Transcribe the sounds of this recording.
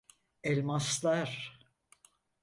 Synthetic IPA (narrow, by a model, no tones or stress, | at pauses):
ɛlʲmaslaɾ